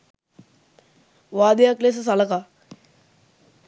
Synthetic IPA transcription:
ʋaːd̪əjakles̬əs̬aləka

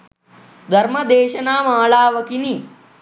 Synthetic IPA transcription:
d̪ʱɐɾmɐd̪eːʃɐnaːmaːɭaːʋɐkini

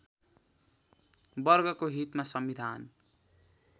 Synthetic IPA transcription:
bʌrɡʌkoɦit̪masʌmbid̪ʱan

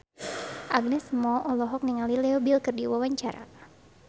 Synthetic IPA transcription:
ʔaɡ̚nɛsmɔʔɔlɔɦɔk̚niŋalilɛɔbilkɨrdiwawaɲt͡ʃaɾa̰

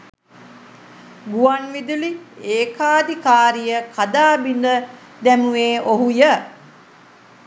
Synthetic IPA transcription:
ɡuʋanʋid̪ulieːkaːd̪ikaːɾijəkʰad̪aːbind̪ə | d̪æmuʋeːoɦujə

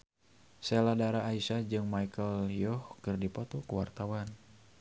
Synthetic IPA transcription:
sɛladaɾaːisad͡ʒɨŋmajkəljɔhkɨrdipɔt̪ɔkuwart̪awan

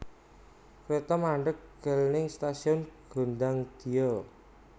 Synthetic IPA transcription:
kɾet̪ɔmaɳɖəkɡ̥ə̤lnɪŋst̪asiɔnɡ̥o̤ndaŋd̪̥i̤ɔ

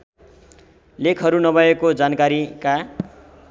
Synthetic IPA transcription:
lekʰɦʌɾunʌbʱʌekod͡zankaɾika

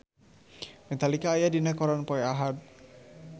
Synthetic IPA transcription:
mɛt̪alikaːjadinakɔɾanpɔjaɦat̪̚

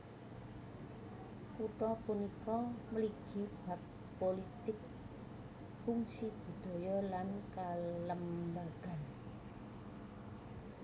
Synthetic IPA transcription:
kuʈɔpunikɔməliɡ̥i̤b̥a̤pː | olit̪ɪk̚ | fuŋsib̥ṳd̪̥ɔ̤jɔlankaləmbaɡ̥a̤n

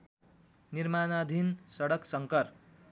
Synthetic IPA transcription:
nirmanad̪ʱinsʌɽʌksʌŋkʌr

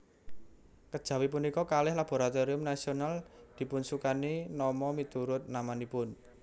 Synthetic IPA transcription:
kəd̥ʒ̥ä̤wip̬unikɔkalɪhlab̥o̤ɾat̪oɾiʊmnasionald̪̥i̤punsukaninɔmɔmit̪uɾʊt̪̚namanipʊn

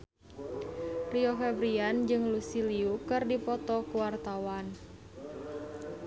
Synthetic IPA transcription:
riofɛbɾiand͡ʒɨŋlusiliukɨrdipɔt̪ɔkuwart̪awan

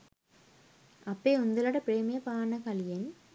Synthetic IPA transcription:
ʔɐpːeːʊnd̪ɐlɐɽɐpɪɾeːmɐjɐpaːnɐkɐljɐn

